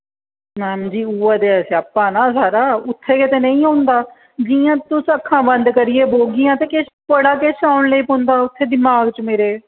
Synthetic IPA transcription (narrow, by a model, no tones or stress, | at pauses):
mɛːm̃ːd͡ʒiːuːaːt̪eːɛsaːpːãːnaːsaːɾaːʊt̪ʰːeːkɪt̪eːnəĩːãːnd̪aː | d͡ʒijãːt̪ʊsəkʰːãːbə̃nd̪kəɾɪeːboːɡɪjãːt̪eːkeʃpəɽaːkeʃaːʊɳləiːpõnd̪aːʊt̪ʰːeːd̪ɪmaːɡt͡ʃmeːɾeː